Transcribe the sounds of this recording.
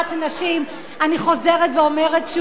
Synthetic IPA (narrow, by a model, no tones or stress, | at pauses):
tanaʃim | aniχo̞ze̞ʁetveome̞ʁetʃ